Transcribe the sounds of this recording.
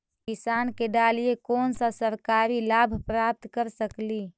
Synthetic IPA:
kisankeɖalijekonsasəɾkaɾilabʱpɾap̚t̪kəɾsəkli

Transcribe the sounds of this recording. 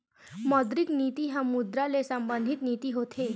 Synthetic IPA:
mɔd̪ɾiknit̪iːɦamud̪ɾalesəmband̪ʱit̪nit̪iːɦot̪ʰe

